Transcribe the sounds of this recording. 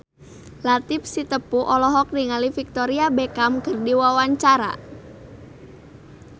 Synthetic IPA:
lat̪ɪf̚sit̪əpuʔɔlɔɦɔk̚niŋalifik̚t̪ɔɾiabekamkərdiwawaɲt͡ʃaɾa̰

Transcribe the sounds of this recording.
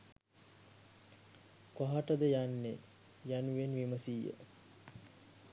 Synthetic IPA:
kwaɦaʈəd̪əjanːe | januʋenʋiməsiːjə̰

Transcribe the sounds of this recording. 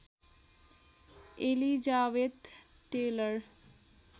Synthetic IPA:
elid͡ʑaːʋed̪ | ʈeləɾ

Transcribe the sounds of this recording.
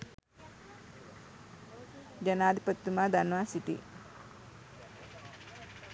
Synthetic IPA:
d͡ʒənaːd̪ʱipət̪ːumaːd̪anʋaːsiʈ̪ḭ

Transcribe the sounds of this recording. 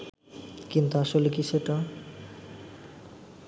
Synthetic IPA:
kint̪uaʃolekiʃeʈa

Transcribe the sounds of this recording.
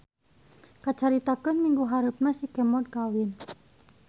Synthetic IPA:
kat͡ʃaɾit̪akənmiŋɡuɦaɾup̚nasikɛmɔd̪̚kawin

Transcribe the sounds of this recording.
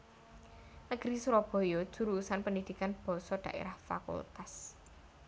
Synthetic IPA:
nəɡ̥ɾisuɾɔb̥ɔ̤jɔd̥ʒ̥ṳɾusanpənid̪̥i̤kanb̥ɔ̤sɔd̥ä̤ʔḛɾahfa̰kṵlt̪as

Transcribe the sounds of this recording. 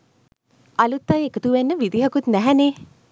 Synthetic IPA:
ɐlut̪ːajekət̪uʋenːəʋid̪iɦəkut̪næɦɛneː

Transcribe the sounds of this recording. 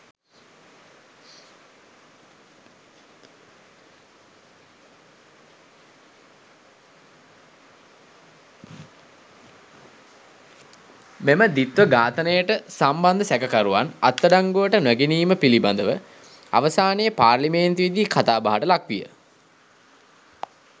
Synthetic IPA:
meməd̪it̪ʋəɡaːt̪ənəjəʈəsamband̪əsækəkaɾuʋanat̪ːəɖaŋɡuʋəʈənwæɡeniːməpiliband̪əʋə | a̰ʋəsaːnejəpaːrliment̪uʋid̪ikʰat̪aːbaɦaʈəlakʋijə̰

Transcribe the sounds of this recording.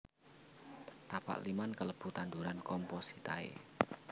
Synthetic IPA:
t̪apa̰ʔlimankələb̥ṳt̪and̪uɾankɔmpɔsit̪aḛ

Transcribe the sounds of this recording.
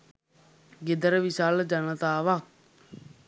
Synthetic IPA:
ɡed̪əɾəʋiʃaːld͡ʒənət̪aːʋak̚

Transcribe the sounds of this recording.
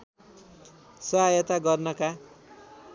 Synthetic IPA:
sʌɦajʌt̪aɡʌrnʌka

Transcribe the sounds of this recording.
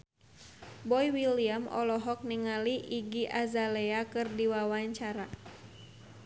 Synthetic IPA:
bɔjwiliamɔ̰lɔɦɔk̚niŋaliʔiɡiʔazalɛakɨrdiwawaɲt͡ʃaɾa

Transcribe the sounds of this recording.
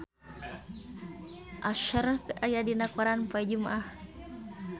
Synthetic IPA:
ʔaʃaɾkajadinakaɾanpajd͡ʒumaʔah

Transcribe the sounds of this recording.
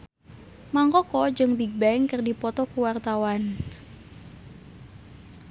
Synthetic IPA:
maŋkɔkɔd͡ʒɨŋbiɡ̚baɛŋkɨrdipɔt̪ɔkuwart̪awan

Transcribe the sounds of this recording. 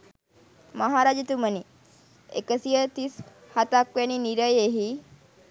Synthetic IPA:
məɦaɾad͡ʒət̪uməni | ḛkəsijət̪is | hat̪akʋjaniniɾəjeɦi

